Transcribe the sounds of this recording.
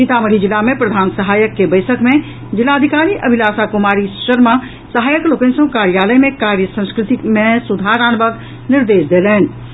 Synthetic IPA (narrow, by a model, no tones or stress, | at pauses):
it̪aməɽ̤id͡ʒɪlamẽpɾəd̪ʱaːnsəɦaːjəkːebəɪsʰəkmẽ | d͡ʒɪlaːəd̪ʱikaːɾiʔɐbʱilaːsakʊmaːɾiʃəɾma | səɦaːjəklokẽnsõkaːɾjaːləjmẽkaːɾjəsə̃nskɾɪt̪imẽsʊd̪ʱaːɾaːnbəɡ | nɪɾd̪eːsd̪eːlɛːn